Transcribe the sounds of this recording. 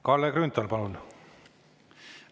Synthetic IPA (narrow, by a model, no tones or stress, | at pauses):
kɑlːekrynt̪ːolpɑlnːu